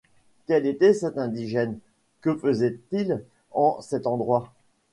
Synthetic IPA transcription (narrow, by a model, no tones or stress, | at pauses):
kʲɛlet̪ɛsɛt̪ɛ̃d̪iʒɛn | kəfəzɛt̪il | ɑ̃sɛt̪ɑ̃d̪ʁwa